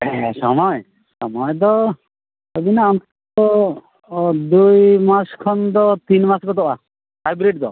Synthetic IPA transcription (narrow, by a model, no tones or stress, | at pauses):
ɛsɔ̰mɔj | sɔmɔjd̪ɔ | ɔbinaɔnt̪ | ɔ | d̪ujmaskʰɔnd̪ɔt̪inmaskɔt̪ɔʔa | hajbɾeʈ̚d̪ɔ